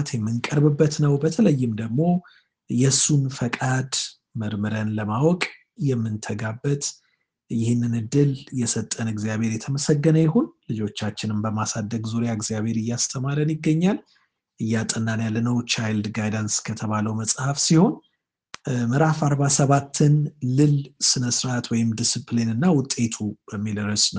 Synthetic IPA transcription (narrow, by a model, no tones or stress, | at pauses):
t̪jɛmːɨŋkʼəɾbɨbːət̪nəwbət̪ʰələjːɪmd̪əɡmo̞ | jɛsːunfəkʼad̪ | məɾmɨɾənləmawɔkʼ | jɛmːɨnt̪ʰəɡabːət̪ | jɪhɨnːɨnɨd̪ɨljɛsət̪ʼːənɨɡzijaβeɾjɛt̪ʰəməsəɡːənəjɛho̞nlɨd͡ʒo̞t͡ʃːat͡ʃːɪnɨmbəmasad̪ːəɡzuɾjaɨɡzijaβhe̞ɾɨjːast̪ʰəmaɾənjɪɡːəɲːal | ʔɨjːat̪ʼənːanjalːənəwt͡ʃajld̪ɡajdanskʰət̪ʰəβaləwməsʼhafsiho̞n | mɨɾafaɾβasəβat̪ʰːɨnlɨlsɨnəsɾat̪wɔjɪmd̪isɨplinɨnːawʊt̪ʼːe̞t̪ʰubəmːilɨɾəsnəw